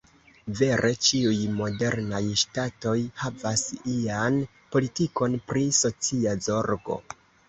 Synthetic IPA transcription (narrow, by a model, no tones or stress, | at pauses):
ve̞ɾʔe̞t͡ʃiujmo̞de̞ɾnajʃtato̞jhavasian | po̞litiko̞npɾiso̞t͡siazo̞ɾɡo̞̰